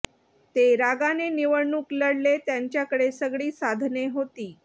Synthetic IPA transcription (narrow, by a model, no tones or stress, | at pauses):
t̪eɾaɡaneniʋəɽɳuːkləɽlet̪jaɲt͡ɕjakəɽesəɡɭiːsad̪ʱneɦot̪iː